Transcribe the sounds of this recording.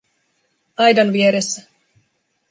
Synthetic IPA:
ɑjdɑnʋieɾesːæ

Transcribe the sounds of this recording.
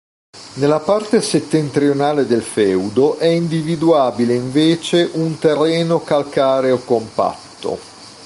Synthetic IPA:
nelːapart̪eset̪ːent̪ɾionaːled̪elfɛwd̪oʔɛind̪ivid̪uaːbileiɱveːt͡ʃeʔunt̪erːɛːnokalkaːɾeokːompa̰t̪ːo̰

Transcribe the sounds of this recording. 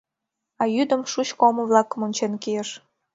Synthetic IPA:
ɑjyd̪ə̆mʃut͡ɕkoməβlɑkːəmonʲt͡ɕenkieʃ

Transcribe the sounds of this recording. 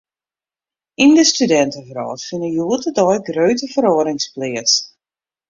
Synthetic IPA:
indəstydɛntəvrɔ̰ːsfɪnəjuːətədɔjɡrøːtəvəɾɔəɾɪŋsplɪəs

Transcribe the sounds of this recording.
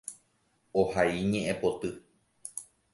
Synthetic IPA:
ohaiɲẽʔẽpot̪ɨ

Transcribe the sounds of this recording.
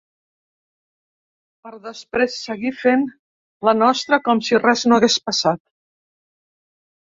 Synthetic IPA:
pəɾðəspɾesːəɣifen | lənɔst̪ɾəkɔmsirɛznoəɣespəsat̪̚

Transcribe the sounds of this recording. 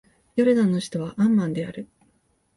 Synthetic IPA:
joɾɯd̪ãnːo̞ɕçi̥t̪o̞β̞aʔãmːãnd̪e̞aɾɯ̟

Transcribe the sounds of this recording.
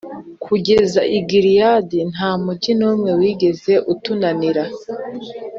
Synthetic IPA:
kʰuɡe̞zaʔiɡiɾijadin̥ɦaːmuɟinuːmŋe̞wiːɡe̞ze̞ʔutunaniɾa

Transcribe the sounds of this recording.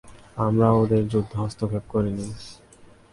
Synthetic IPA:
amɾaod̪eɾd͡ʑud̪ʱːoɦɔst̪ʰokʰep̚koɾini

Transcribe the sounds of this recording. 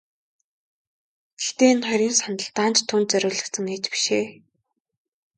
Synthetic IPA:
t̪e̥ɬt̪eːnχœɾʲiːnsanə̆ɬt̪aːnt͡ɕt̪ʰːʊːnt̪̚t͡sœɾʲʊːɮə̆kt̪sə̆ŋeːt͡ɕpi̥ʃeː

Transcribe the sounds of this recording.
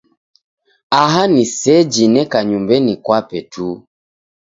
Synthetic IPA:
aɦanisɛd͡ʒinɛkaɲumbɛnikwapɛtʰu

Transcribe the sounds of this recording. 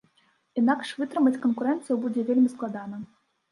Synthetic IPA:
inakʂvɨt̪ɾɨmɐt͡sʲkɐnkuɾɛnt̪sɨjwbud͡zʲɛvʲelʲmʲisklˠad̪anɐ

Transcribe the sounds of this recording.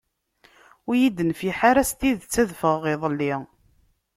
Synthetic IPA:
ʊjid̪ənfiħaɾæst̪iðt͡sːæðfəʁʁiðˤəlːi

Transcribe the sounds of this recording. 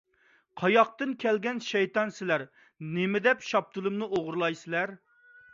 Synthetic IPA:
qʰɑjɑq̚t̪ɨnkʲʰɛlɡʲɛnʃɛjt̪ɑnsɪlæɾ | nɪmɪd̪ɛpʃɑp̚t̪ʰɨlˠɨmnɨʔoʁɾlˠɑjsɪlæɾ

